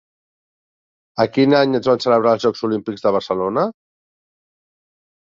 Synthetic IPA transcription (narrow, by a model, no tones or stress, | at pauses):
əkinaɲəzβansələβ̞ɾalˠzʒɔkzulimpikɡzðəβəɾsəlonə